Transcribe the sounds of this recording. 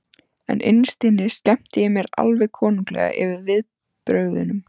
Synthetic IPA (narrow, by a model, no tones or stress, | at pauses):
ɛ̰nʔɪ̰nst̪iːnɪscɛm̥t̪ɪjɪmjɛɾa̰lvɛɣkʰɔːniŋklɛ̰ːɣa̰ʔɪvɪðvɪð | pɾœːɣðɪ̰nʏm